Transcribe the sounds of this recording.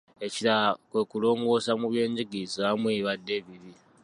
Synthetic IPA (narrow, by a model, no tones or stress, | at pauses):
e̞ciɾakwe̞kulo̞ːŋɡo̞ːsamuβje̞ːɲɟiɡiːzoamwiːβadːe̞βiβi